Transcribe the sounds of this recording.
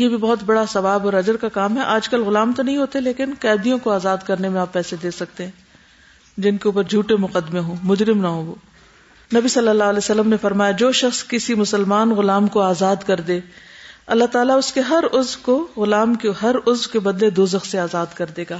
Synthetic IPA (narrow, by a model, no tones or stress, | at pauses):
jebʱibɔɦʊt̪bɐɽasɐʋaːbɔːɾɐd͡ʒəɾkakaːmɦɛʔaːd͡ʒkɐlɣʊlaːmt̪onɐɦĩɦoːt̪eleːkɪnqɛːd̪ijõkoaːzaːd̪kɐɾnemẽaːpːɛːsed̪eːsɐk̚t̪eɦɛ̃ː | d͡ʒɪnkeuːp̬əɾd͡ʒʱuːʈemʊqəd̪ɪmẽɦõːmʊd͡ʒɾɪmnaɦõʋoː | nɐbisɐlːəlːaːɦlɛːsɐlːəmnefɐɾmaːjad͡ʒoːʃɐxskɪsimʊsəlmaːnɣʊlaːmkoaːzaːd̪kɐɾd̪eːɐlːaɦt̪aːlaʊskeɦɐɾʊzwkoɣʊlaːmkeɦɐɾʊzwkebɐd̪led̪oːzɐxseaːzaːd̪kɐɾd̪eːɡaː